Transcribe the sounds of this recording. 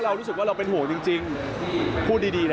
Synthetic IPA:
ɾa˧wɾu˦˥˨k̚waː˥˩ɾa˧wpe˧nɦu˩˦t͡ɕi˧ŋt͡ɕi˧ŋ | pʰu˥˩t̚diː˧diː˧l

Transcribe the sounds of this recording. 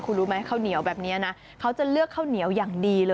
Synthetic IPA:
kʰuː˧ɾuː˦˥ma˦˥˦kʰaː˥˩wni˨˩˦əwbɛː˨˩p̚niː˦˥a˨na˦˥ | kʰa˦˥wt͡ɕa˨˩lɯ˥˩əkʰːaː˥˩wni˨˩˦əwjaː˨˩ŋdiː˧lɤː˧

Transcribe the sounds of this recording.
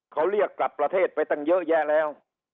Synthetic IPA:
xɔ˨˦wli˧˩ək̚la˨˩p̚laː˨˧˩t̪ʰe˧˩t̚fa˨˩jt̪a˧˩ŋzə̰ː˧˥jzaː˧˩lɛː˧˩˨w

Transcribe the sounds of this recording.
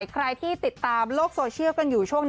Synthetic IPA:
jkʰɾa˧jt̪ʰiː˥˩t̪i˨˩t̪ːaː˧mloː˥˩k̚soː˧t͡ɕʰi˥əwka˧njuː˨˩t͡ɕʰu˥˩əŋ

